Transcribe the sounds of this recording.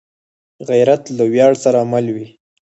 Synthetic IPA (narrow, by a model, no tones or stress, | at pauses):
ɣajɾat̪lawjɑɽsaɾaːmalwi